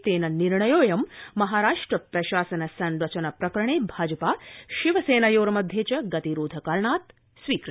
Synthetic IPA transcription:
t̪eːnɐniɾɳɐjoːjɐmːɐɦaːɾaːʂʈɾəpɾɐʃaːsɐnɐsɐnɾɐt͡ʃɐnɐpɾɐkɾəɳ̃eːbʱaːd͡ʒəpaːʃiʋəseːnajoːɾɐmɐd̪ʱjet͡ʃɐɡɐt̪iɾoːd̪ʱɐkɐlɳaːt̪ | sʋiːkɾ

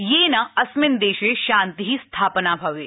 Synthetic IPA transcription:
jeːnɐɐsmɪnd̪eːʃeʃãːnt̪iɦist̪ʰaːpnabʱɐʋeː

